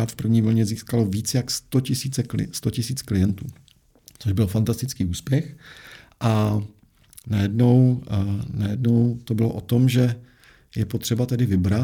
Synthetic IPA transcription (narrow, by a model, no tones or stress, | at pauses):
aːt̪fpr̩vɲiːvl̩ɲɛziːskaloviːt͡sjakst̪ocɪsiːt͡sɛklɪ̰st̪o̞cɪsiːt͡sklɪjɛnt̪ṵː | t͡soʒbɪlfant̪ast̪ɪt͡skiːʔuːspjɛxʔa | najɛdno̞w | najɛdno̞wt̪o̞bɪlo̰ʔot̪o̞mʒɛ | jɛpo̞t̪r̥ɛbat̪ɛdɪvɪbɾa